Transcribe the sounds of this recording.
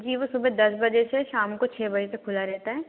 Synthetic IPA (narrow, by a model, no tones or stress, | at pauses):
d͡ʒiːʋosʊbəd̪ɐsbɐd͡ʒeseʃaːmkot͡ʃʰɛːbɐd͡ʒesekʰʊlaɾɛɦt̪aɦɛː